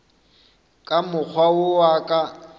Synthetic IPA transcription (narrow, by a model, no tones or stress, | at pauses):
kʼamʊk͡xʰwaʊwakʼa